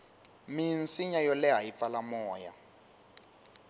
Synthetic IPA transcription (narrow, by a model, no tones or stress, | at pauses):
minsiɲajɔlɛɦajifalamɔːja̰